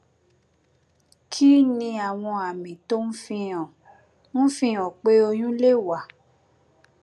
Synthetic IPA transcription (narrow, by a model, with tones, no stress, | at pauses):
kʰi˦nĩ˧a˨w̃ɔ̃˧a˨mĩ˨to˦n̩˦fĩ˧ɔ̃˨ | ñ̩˦fĩ˧˦ɔ̃˨k͡pe˦o˧j̃ũ˦le˦˨wa˨